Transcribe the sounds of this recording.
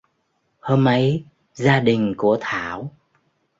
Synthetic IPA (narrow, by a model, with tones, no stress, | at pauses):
hoː˧mʔə˨˦j | zaː˧ɗï˨˩ŋ̟ku˧˩ət̪ʰaː˧˩˨w